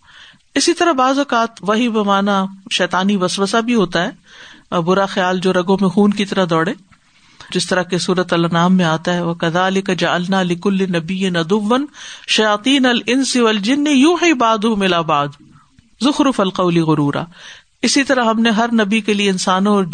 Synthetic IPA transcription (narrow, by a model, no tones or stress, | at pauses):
ɪsit̪ɐɾɐɦbaːzɔːkaːt̪ʋɐɦibɐmaːnaʃɛːt̪aːniʋɐsʋəsabʱiɦoːt̪aɦɛːbʊɾaxɐjaːld͡ʒoːɾɐɡõmẽxuːnkit̪ɐɾaɦd̪ɔːɽeː | d͡ʒɪst̪ɐɾakesuːɾət̪ɐlɐnaːmːẽaːt̪aɦɛʋɐkɐðaːlɪkɐd͡ʒɐʕɐlnaːlɪkʊlːɪnɐbɪjːɪnɐd̪ʊʋːɐnʃɐjaːt̪ˤiːnɐlɪnsɪʋɐld͡ʒɪnːijuːħibaːd̪umɪlabaːd̪ | zʊxɾʊfɐlqɐʊliɣʊɾuːɾa̰ː | ɪsit̪ɐɾaɦɐmneɦɐɾnɐbikelieɪnsaːnõɔːɾ